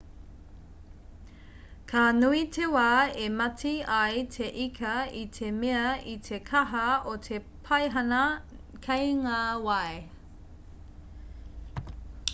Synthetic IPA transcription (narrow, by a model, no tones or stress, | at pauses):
kʰanuitʰewaːemɐtʰiɐjtʰeʔikʰɐitʰemeɐit̪ʰekʰɐɦɐotʰe | pʰɐjɦɐnɐ | kʰɐjŋaːwɐe